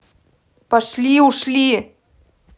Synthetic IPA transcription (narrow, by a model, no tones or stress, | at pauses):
paʃlʲiuʃlʲi